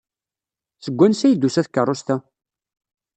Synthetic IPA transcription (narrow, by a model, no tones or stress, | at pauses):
səɡʷːænsæjd̪usæθkːərˤːost̪æ